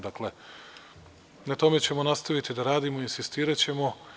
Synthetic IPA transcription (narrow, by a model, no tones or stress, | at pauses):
d̪akle̞ | nat̪o̞me̞t͡ɕe̞mo̞nast̪aʋit̪id̪aɾaːd̪imoinsist̪iːɾat͡ɕe̞mo̞